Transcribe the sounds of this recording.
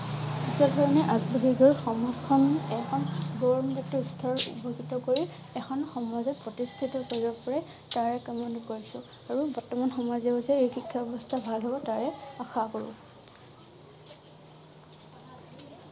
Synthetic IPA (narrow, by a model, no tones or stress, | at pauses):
ɡisɔdʱɔɹɔnɛʔaɡbaɦiɡɔɹxɔmɔkʰːɔnɛkʰɔnɡɔɹɔmbitɔstʰɔɹṵpɔɡʱitɔkoɹi | ɛxʰɔnxɔmazɛpɹɔtistʰitɔkoɹibɔpɔɹɛ | taɹɛkamɔndɔkoɹisʊ̃ | aɹubɔɹtɔmanxɔmazɛɦosɛejxikʰːabɛbɔstʰabʱalɦɔbɔtaɹɛaxakoɹʊ̰